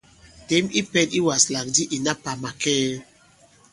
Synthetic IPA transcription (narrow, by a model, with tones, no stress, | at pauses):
te˦mi˦pɛ˦di˦wa˨sla˨k̚di˦ʔi˨na˦pa˨ma˨kɛ˦